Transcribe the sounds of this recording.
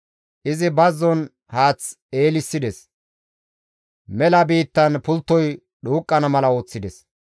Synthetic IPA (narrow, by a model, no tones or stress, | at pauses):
ʔɪzɪbɐzːɔn | haːt͡s | e̞ːlɪsːɪd̪ɛs | mɛlɐbiːt̪ːɐnpʊlt̪ːɔj | ɗuːkʼːɐnɐmɐlɐo̞ːt͡sːɪd̪ɛs